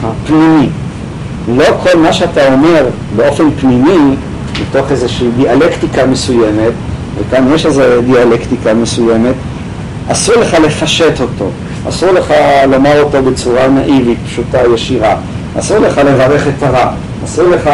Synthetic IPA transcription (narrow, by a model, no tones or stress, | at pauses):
apnimi | lo̞kʰo̞lmaʃeatao̞me̞ʁ | beo̞fe̞npnimi | beto̞χezeʃiːdialektikame̞sujeme̞t | vekanjeʃezedialektikamesujeme̞t | asuʁle̞χale̞faʃeto̞to̞̰ | a̰suʁle̞χalo̞maʁo̞to̞bet͡suʁanaʔivit̚pʃutajeʃiʁa | a̰suʁle̞χale̞vaʁe̞χetaʁa | asuʁleχa